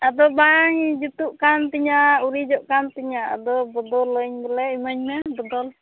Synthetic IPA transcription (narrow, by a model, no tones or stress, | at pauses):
ad̪ɔbaŋd͡ʒut̪uʔkant̪iɲauɾid͡ʒɔʔkant̪iɲaʔa̰d̪ɔbɔd̪ɔləɲbɛlɛimaɲmɛbɔd̪ɔl